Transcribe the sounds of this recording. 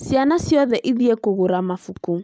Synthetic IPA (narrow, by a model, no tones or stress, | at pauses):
sianasjɔðɛʔiðiekoɣoɾamafuku